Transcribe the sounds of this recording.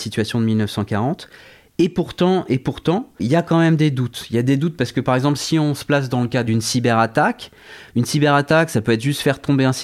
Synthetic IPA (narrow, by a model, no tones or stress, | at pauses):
sit̪ɥasjɔ̃d̪əmilnœfsɑ̃kaʁɑ̃t̪ | epuʁt̪ɑ̃ʔepuʁt̪ɑ̃iljakɑ̃mɛmd̪ed̪ut̪iljad̪ed̪ut̪̚paʁsə̥kəpaʁɛɡzɑ̃pləsiɔ̃sə̥plas̬d̪ɑ̃ləkad̪ynsibɛʁat̪ak | ynsibɛʁat̪aksapøɛt̪ʒyst̪fɛʁt̪ɔ̃beɛ̃s